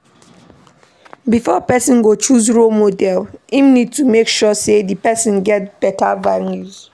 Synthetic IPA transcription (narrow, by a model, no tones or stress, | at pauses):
bifɔpɛsɔ̃nɡot͡ʃuzɹomodɛlĩmnid̚tumekʃɔsedipɛsɔ̃nɡɛt̚b̥ɛtavaljuz